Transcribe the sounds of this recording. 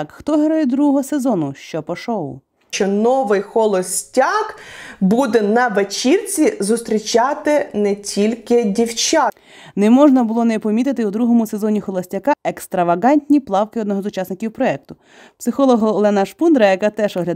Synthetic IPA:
kxt̪ɔɦeɾɔjɛd̪ɾuɦɔɦɔse̞zɔnʊʃt͡ʃɔpɔʃɔʋʊ̰ | t͡ʃɔnɔʋɪjxɔlˠɔsʲtʲɑkbud̪ɛnɐʋet͡ʃirt͡sʲizʊst̪ɾʲit͡ʃɑt̪ɪnɛtʲʰilʲkɪdʲiwt͡ʃa | nɛmɔʒnɐbʊlˠɔnɛpɔmʲit̪ɪt̪ɪud̪ɾuɦɔmʊse̞zɔnʲixɔlˠɔsʲtʲɐkɑʔekst̪ɾɐʋɐɣɑnʲtʲnʲiplˠɑwkɪɔd̪nɔɦɔzʊt͡ʃɑsnɪkʲiwpɾɔɛk̚t̪ʊ | psɪxɔlˠɔɦɐlˠɛnɐʃpund̪ɾɐjɐkɑt̪ɛʒɔɦlʲɐ

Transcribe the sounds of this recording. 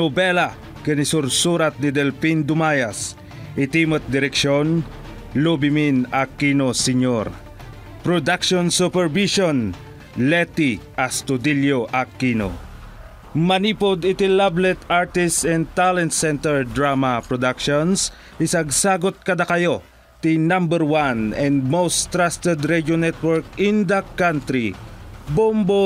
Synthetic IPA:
nobɛla | kɛnɪsuɾsuɾat̪̚nɪd̪ɛlfind̪ʊmaːjɐs | ʔɪt̪imot̪̚d̪ɪɾɛkʃon | lubɪminakːinosɪɲoɾ | pɾod̪akʃonsupɛɹviʃon | lɛt̪iʔɐst̪ʊd̪iljoʔɐkːino̰ | mɐniːpod̪ɪt̪ilablɛt̪aɹt̪ɪstɛ̃nd̪̚t̪alɛnt̪sɛ̃nt̪ɛɹd̪ɹamɐpɹɔd̪akʃons | ɪsɐɡ̚saːɡot̪̚kɐd̪akɐjo̞ | t̪inãmbɛɹwanɛ̃nd̪̚mowst̪ɾast̪ɛd̪ɾɛd͡ʒonɛt̪wɛɹkɪ̃nd̪ɐkãnt̪ɾibombo

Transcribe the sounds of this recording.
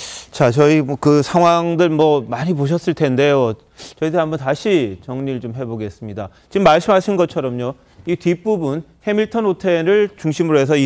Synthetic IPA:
t͡ɕat͡ɕʌikɯsʰaŋwaŋdɯɭmwʌmaɲipoɕʰʌs͈ɯɭtʰe̞nde̞jo | t͡ɕʌidɯɦambʌntaɕʰit͡ɕʌŋɲiɾɯɭt͡ɕomɦe̞boɡe̞s͈ɯmɲida | t͡ɕimːaɭs͈ɯmɦaɕʰinɡʌt͡ɕʰʌɾʌmɲo | itip͈ubunhe̞miɭtʰʌnɦotʰe̞ɾɯɭt͡ɕuŋɕʰimɯɾoɦe̞s̬ʰʌi

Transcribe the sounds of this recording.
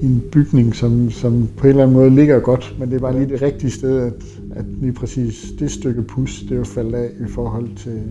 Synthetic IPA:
e̝nb̥yɡ̥ne̝ŋsɒ̽msɒ̽mpʰɒ̽e̝nlæn̩mɔ̽ːð̞ˠle̝ɡ̥ɐɡ̥ɒ̽d̥mend̥e̝ɐb̥ɑ̈ːliːd̥e̝ʁeɡ̥̚d̥iəsd̥eð̞ˠæd̥ | æd̥liːpʰʁɛsḭːsd̥e̝sd̥øɡ̥əpʰusd̥e̝ofæl̰dɛ̰ːifɒːɦɒ̽l̰t͡sʰe̝l

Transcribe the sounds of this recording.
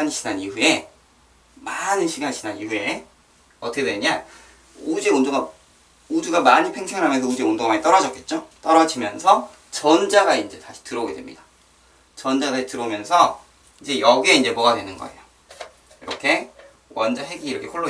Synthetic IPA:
aɲiɕʰinaniɸue̞ | manɯnɕʰiɡaɲiɕʰinanihue̞ | ʌtʰʌkedweɲa | od͡ʑeondoɡa | oduɡamaɲipʰe̞ŋsʰeŋɯɭɦamjʌns̬ʰʌud͡ʑeondoɡamaɲit͈ʌɾʌd͡ʑʌk͈̚e̞t̚t͡ɕ͈ot͈ʌɾʌd͡ʑimjʌnsʰʌ | t͡ɕʌnd͡ʑaɡaind͡ʑe̞taɕʰi̥tɯɾʌoɡe̞dwemɲid̥a | t͡ɕʌnd͡ʑaɡataɕʰitɯɾʌumjʌnsʰʌ | ind͡ʑe̞jʌɡie̞ind͡ʑe̞moɡadwe̞nɯnɡʌe̞̰jo | iɾʌkʰe̞ | wʌnd͡ʑaɦeɡiːɾʌkʰekʰoɭːo

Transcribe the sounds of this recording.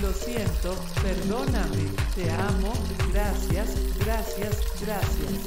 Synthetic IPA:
lo̞sjent̪o̞ | pe̞ɾðo̞namet̪e̞amo̞ | ɡɾasjasɡɾasjasɡɾasjas

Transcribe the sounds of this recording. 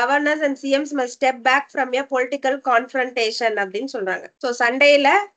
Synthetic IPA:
ɐʋɐɾnɐɾs̬ɛ̃ɳɖsiːɛmsmɐsʈɛp̚bæːkfɾɔmjɐpɔlɪʈɪkːɐlkaːnfɾɐɳʈeːʂɐnɐpːɐɽɪnːɯsɔlɾa̰ːŋɡɐsoːsɐɳɖɐjɪlɐ

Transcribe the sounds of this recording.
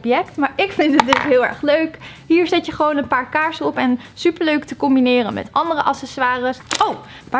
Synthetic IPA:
pjɛktmaːɹɪkfɪntət̚dɪtɦɪːlˠɛ̰ɹχløɥkɦiːɹzɪtjəχəʋownənpaːɹkaːɹsəɔpɛnsypəɹløɥktəkɔmbinɪːrənmɛ̰tɑndərəʔɑsɛsʋaːrəsow | ʋa

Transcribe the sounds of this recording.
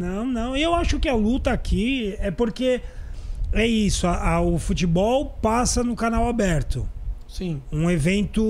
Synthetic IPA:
nɐ̃w̃nɐ̃w̃ɪewaʃʊkɪalut̪ɐːkʰiɛpoɾke | ɛisʊɐʔɐʊfut͡ʃibɔwpasɐnʊkanawabɛɾt̪ʊ | sĩũevẽnt̪ʊ

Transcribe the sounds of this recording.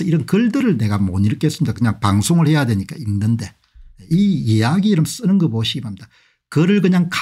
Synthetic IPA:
ʌiɾʌnkɯɭdɯɾɯɭne̞ɡamoɲiɾk͈ees͈ɯmɲidakɯɲaŋpaŋsʰoŋɯɭhe̞jadwe̞ɲik͈ainːɯnde̞ | ijejaɡiɾʌms͈ɯnɯnɡʌboɕʰiɡimamid̥a | kɯɾɯɭkɯɲaŋka

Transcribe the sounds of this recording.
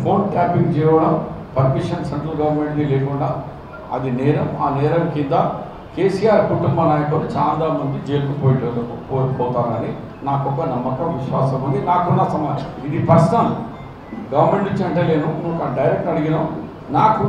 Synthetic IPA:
pʰo̞ːnʈaːpiŋkt͡ʃɛːjʋɐɽɐm | pɐɾmiʂɐnseɳʈɾɐlɡɐʋɐɾme̞ɳʈɡileːkuɳɖaː | ɐ̰d̪inɛːɾɐmaːnɛːɾɐmkind̪ɐ | ke̞ːsijaːɾkuʈumbɐnaːjɐkulut͡ʃaːnd̪amɐnd̪id͡ʒeːɾukupoːjiʈɐɐpoːɾppɔːt̪aːnɐni | naːkɔkːɐnɐmːɐkɐmʋiʃʋaːsɐmund̪inaːkunːɐsɐmɐid̪ipɐst̪ɐm | ɡɐʋɐɾme̞ɳʈit͡ʃːɐɳʈeːle̞ːnumunkɐnɖɐjɾek̚ʈɐɽiɡinɐ | naːku

